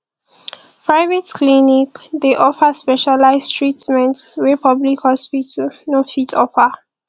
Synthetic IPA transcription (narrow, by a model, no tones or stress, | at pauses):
pʰɹaɪvɛtklinikdeʔɔfəspɛʃalaɪstʰɹitmɛ̃ntwipʰɔblikhɔspitʰənofitʰɔ̰fə